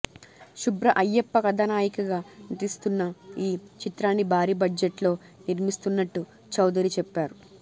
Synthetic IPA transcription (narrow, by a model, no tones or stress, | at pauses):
ʃubɾɐʔɐjːepːɐkɐd̪ʱɐnaːjikuɡaːnit̪ist̪unːɐiːt͡ʃit̪ɾaːnːibʱaːɾiːbɐd͡ʒeʈlo̞ː | niɾmist̪unːɐʈːu | t͡ʃɐwd̪ɐɾit͡ʃɛpːaːɾu